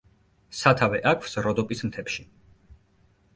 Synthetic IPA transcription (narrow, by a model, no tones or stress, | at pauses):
sat̪ʰavɛʔakʰwsɾɔd̪ɔpʼismt̪ʰɛpʃi